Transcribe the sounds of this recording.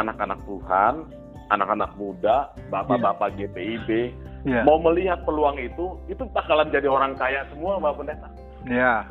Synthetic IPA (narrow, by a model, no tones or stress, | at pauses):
anakana̰k̚t̪uhan | anakanak̚mudabapabapaɡepeibejmauməliɦat̪̚pəluaŋit̪uit̪ut̪akaland͡ʒadioɾaŋkajaʔsəmuababənəkna | ja